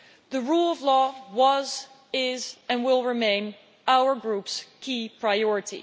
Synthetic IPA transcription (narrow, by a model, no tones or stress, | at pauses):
ðɨɹulˠʌvlɔwʌz | ɪzɨ̃nwɪlˠɹɪmẽɪ̃n | aʊə˞ɡɹupskʰipʰɹ̥aɪɔɹɨɾḭ